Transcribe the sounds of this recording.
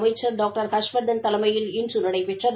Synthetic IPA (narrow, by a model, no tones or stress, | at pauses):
mɐɪt͡ʃːɐɾɖaːk̚ʈɐɾhɐʂʋɐɾd̪ɐnt̪ɐlɐmɐjɪlɪndrɯnɐɽɐɪpɛʈrɐð